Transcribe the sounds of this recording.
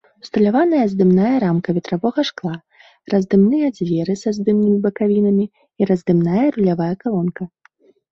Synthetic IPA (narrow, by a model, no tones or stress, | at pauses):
st̪ɐlʲavanɐjɐzd̪ɨmnajɐɾamkɐvʲɛt̪ɾavɔɣɐʂklˠa | rɐzd̪ɨmnɨjɐd͡zʲvʲɛɾɨsɐzd̪ɨmnɨmʲibɐkavʲinɐmʲi | iɾɐzd̪ɨmnajɐɾulʲavajɛkalˠɔnkɐ